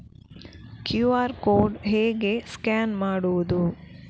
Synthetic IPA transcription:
kjuːaːɾkoːɾɖɦeːɡe̞skaːnmaːɽuʋud̪u

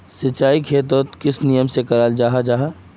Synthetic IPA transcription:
sɪt͡ʃːaːikʰeːt̪̬ot̪kɪsnijəmsekɐɾaːld͡ʒaːɦad͡ʒaːɦa

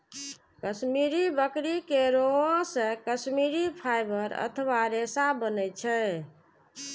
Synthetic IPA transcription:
kəsmiɾibəkɾikeɾoãsə̃kəsmiɾipʰajbəɾə̰t̪ʰəβaɾesabənɛt͡ʃʰɛ

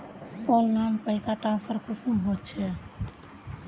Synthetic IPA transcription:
oːlnaːmpəɪsaːʈaːsəɾkʰʊsʊmɦoːt͡ʃʰeː

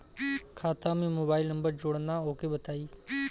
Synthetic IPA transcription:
kʰaːt̪ãːmẽːmoːbaːɪlnə̃mbəɾd͡ʒʊɽnãːoːkeːbət̪aːiː

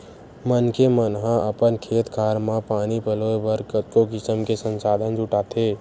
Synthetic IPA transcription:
mənkemənɦãʔəpənkʰeːt̪kʰaːɾmãpaːnipəloːebəɾkət̪̚kokɪsəmkesə̃nsaːd̪ʱənd͡ʒʊʈaːt̪ʰeː

